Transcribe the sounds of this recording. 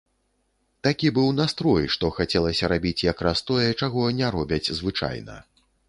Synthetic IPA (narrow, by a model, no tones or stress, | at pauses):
t̪akʲibɨwnast̪ɾɔjʂt̪ɔxat͡sʲɛlˠɐsʲɐɾabʲit͡sʲjakɾast̪ɔjɛt͡ʂaɣɔnʲɛɾɔbʲɐt͡sʲzvɨt͡ʂa̰jnɐ̰